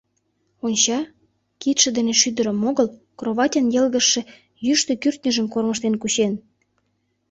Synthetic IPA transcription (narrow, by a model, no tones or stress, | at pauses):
onʲt͡ɕɑ | kit̪ʃə̆d̪eneʃyd̪ə̆ɾə̆moɣəl | kroβɑtʲənjelɣə̆ʃĕ | jyʃt̪ø̆kyrt̪̚nʲəʒəmkorməʃt̪enkuɕen